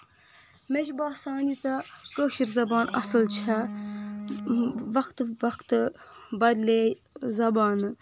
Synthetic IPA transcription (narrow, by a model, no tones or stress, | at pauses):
meʃbaːsɑːnit͡sɐkəːʃiɾzɐbaːnɐ̰sɨlt͡ʃʰɐ | ʋɐkt̪ʋɐkt̪ | bɐd̪leːj | zɐbaːnɨ